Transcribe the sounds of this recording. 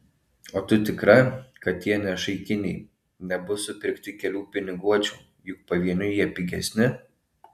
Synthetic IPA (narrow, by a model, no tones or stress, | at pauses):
oːt̪ʊt̪ʲɪkɾɐkɐt̪ʲjʲiɛnʲɛʃɐɪkʲɪnʲɛɪ | nʲɛbʊsʊpʲɪɾʲkt̪ʲɪkʲɛlʲuːpʲɪnʲɪɡuɔt͡ʃʲuː | jʊk̚pɐʋʲiɛnʲʊjiɛpʲiɡʲɛsʲnʲɪ